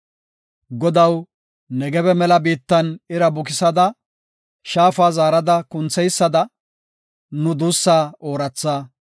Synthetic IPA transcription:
ɡɔd̪ɐw | nɛɡɛbɛmɛlɐbiːt̪ːɐnɪɾɐbʊkɪsɐd̪ɐ | ʃaːfaːzaːɾɐd̪ɐkʊnt͡sɛjsːɐd̪ɐ | nʊd̪uːsːaːoːɾɐt͡sːaː

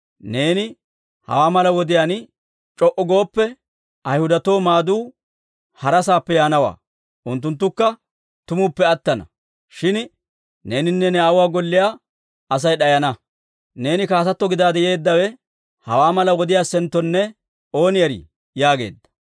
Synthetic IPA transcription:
ne̞ːnɪ | hɐ̰waːmɐlɐwɔd̪ɪjaːn | t͡ʃʼɔʔɔɡo̞ːpːɛ | ɐjhʊd̪ɐt̪o̞ːmaːd̪uː | hɐɾɐsaːpːɛjaːnɐwa̰ː | ʔʊnt̪ːʊnt̪̬ːʊkːɐ | t̪ʊmʊpːɛɐt̪ːɐnɐ̰ | ʃɪn | ne̞ːnɪnːɛnɛawʊwaːɡɔlːɪjaː | ɐs̬ɐjɗɐjɐnɐ | ne̞ːnɪkaːsɐt̪ːɔɡɪd̪aːd̪ɛje̞ːd̪ːɐwɛ | hɐ̰waːmɐlɐwɔd̪ɪjaːsɛnt̪ːɔnːɛ | o̞ːnɪjɐɾɪ̰ | jaːɡe̞̰ːd̪ːɐ̥

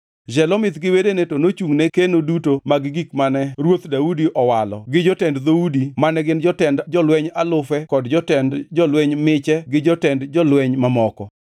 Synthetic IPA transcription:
d͡ʒɛlɔmɪt̪ɡɪwedenetonot͡ʃuŋnekenodutomaɡɪɡikmanɛɾwot̪daudiʔɔwalɔ̰ɡɪd͡ʒɔtɛndd̪oudimanɛɡɪnd͡ʒɔtɛndd͡ʒɔlwɛɲalʊfɛkɔdd͡ʒɔtɛndd͡ʒɔlwɛɲmɪt͡ʃɛɡɪd͡ʒɔtɛndd͡ʒɔlwɛɲmamɔkɔ

